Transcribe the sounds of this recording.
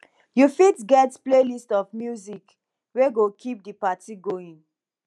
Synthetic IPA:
jufitɡɛtplelistɔfmjuzik | weɡokʰip̚dəpatiɡoĩŋ

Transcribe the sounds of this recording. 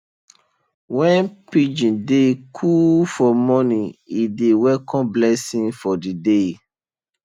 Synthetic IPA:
wɛ̃npid͡ʒĩdekʰufɔmɔ̃nĩidewɛkʰɔ̃nblɛsĩnfɔdide

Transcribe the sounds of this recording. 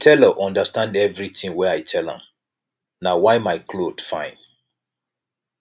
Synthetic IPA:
tʰɛləʔɔ̃ndəstãndɛvɹiθĩŋwɛaɪtʰɛlã̰m | nawaɪmaɪkʰlod̥fãɪ̃n

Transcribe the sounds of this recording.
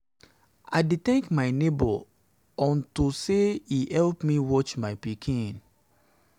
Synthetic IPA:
a̰ɪditɛ̃ŋkmaɪnebɔ | ɔ̃ntuseihɛlpmiwɔt͡ʃmaɪpikʰĩn

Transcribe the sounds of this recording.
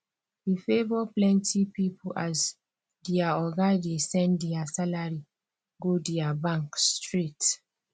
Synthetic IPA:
hifevɔplɛ̃ntʰipipʰuʔaz | diaɔɡadesɛ̃ndiasalaɹi | ɡodiabãŋkstɹit

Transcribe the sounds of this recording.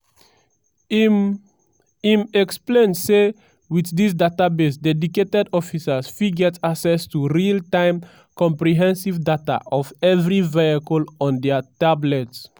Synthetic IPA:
imɛksplẽnse | wiθdis̬databesdɛdiketɛdɔfisəsfiɡɛtʰaksɛstuɹiltãɪ̃m | kɔ̃mpɹiɦɛ̃nsivdata̰ʔɔvɛvɹiveakɔlɔ̃ndɛtablɛts

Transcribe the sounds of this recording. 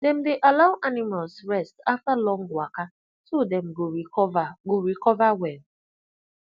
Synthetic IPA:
dɛ̃m̩deʔalaʊʔanɪmalsɹɛstaftalɔ̃ŋ̩ɡwaka | todɛm̩ɡoɡoɾikɔvawɛl

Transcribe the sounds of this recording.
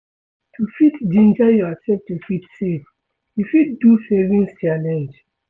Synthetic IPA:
tʰufitdĩnd͡ʒajɔatɛ̃p̚tufitsef | jufit̚dusɛvĩnst͡ʃalɛ̃nd͡ʒ

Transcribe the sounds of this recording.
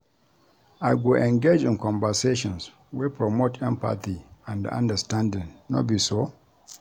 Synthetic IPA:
ajɡoʔɛ̃ŋɡed͡ʒɪ̃nkɔ̃mvəseʃɔ̃ns | wepʰɹɔmotʰɛ̃mpa̰t̪iãndã̰ndəstãndɪ̃ŋnɔ̰t̚biso

